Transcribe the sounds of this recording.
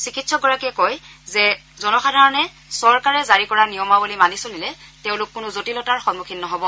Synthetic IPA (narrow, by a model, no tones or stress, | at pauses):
sikitsɔɡɔɹakiɛkɔjzɛ | zɔnɔxadʱaɹɔnɛ | sɔɹkaɹɛzaɹikɔɹanijɔmabulimanisolilɛteʊ̃lʊkːʊnʊzotilɔtaɹxɔnmukʰinːɔɦɔbɔ